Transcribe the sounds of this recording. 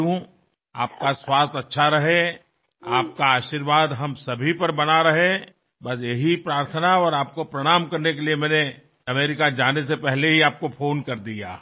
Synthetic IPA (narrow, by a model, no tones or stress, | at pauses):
ũ | a̰ːp̚kaswaːst̪ɐtːʃʰaɾɐɦe | aːp̚kaaːʃiɾʋaːd̪ɦɐmsɐbʱipɐɾbɐnaɾɐɦẽ | bɐs̬jeɦipɾaːɾt̪ʰənaɔːɾaːp̚kopɾɐɽ̃aːmkɐɾnek̬eliemɛ̃ːne | ɐmeːɾɪkad͡ʒaːnesepɛɦleɦiaːp̚kofʰoːnkɐɾd̪ija̰ː